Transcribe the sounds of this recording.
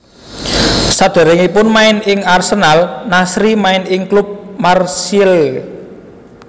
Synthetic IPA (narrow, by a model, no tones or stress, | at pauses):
sad̪̥e̤ɾɪŋipʊnmaɪnɪŋarsənalnasɾimaɪnɪŋklub̚marsil